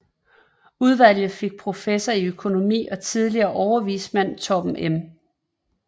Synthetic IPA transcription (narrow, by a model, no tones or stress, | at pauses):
uð̞ˠʋæl̰jð̞̩ˠfe̝ɡ̥̚pʰʁo̝fesɐiøkʰo̝no̝mḭːɒ̽t͡sʰið̞ˠliɐːʔɒʊɐʋḭːsmæn̰t͡sʰɒ̽b̥m̩ʔem